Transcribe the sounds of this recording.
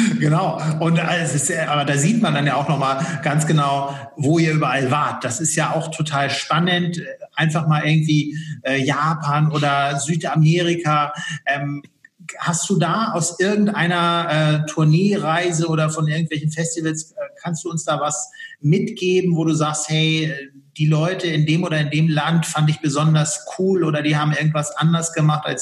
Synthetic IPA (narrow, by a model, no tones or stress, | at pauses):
ɡ̥ənaʊʔʊntʔɛsɪstjaʔaːbɐdaːziːtmandanjaːaʊxnɔχmaːlɡ̥ansɡ̥ənaʊ | voːiːɐʔyːbɐʔalvaɐt̚d̥asɪstjaːaʊxtʰotʰaːlʃpanəntɛʔaɪnfaχmaːlʔɪɐɡŋ̩tv̥iːʔɛːjaːpʰanʔoːdɐzyːtʔameːʁ̞ikʰaʔɛːm | hast̚d̥uːdaːaʊsʔɪɐɡŋ̩tʔaɪnɐʔɛːtʰʊɐneːʁaɪzəʔoːdɐfɔnʔɪɐɡŋ̩tv̥ɛlçn̩fɛstivəlsɛːkʰanstd̥uːʊnsd̥aːvasmɪtɡ̥eːbm̩voːduːzaːksthɛɪɛ | d̥iːlɔʏtəɪndeːmʔoːɾɐɪndeːmlantfandɪçb̥əzɔndɐskʰuːlʔoːɾɐdiːhaːbm̩ɪɐɡŋ̩tv̥asʔandɐsɡ̥əmaχta̰ls